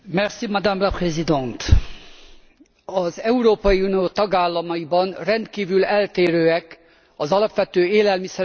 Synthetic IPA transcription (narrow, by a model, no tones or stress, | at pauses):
mɛrsimad̪amlaprɛzid̪ɛnt̪ | ɒzɛuɾoːpɒjiunioːt̪ɒɡaːlːɒmɒjibɒnrɛnt̪kiːvylɛlt̪eːɾøːɛk | ɒzɒlɒpʋɛt̪øːeːlɛlmisɛɾ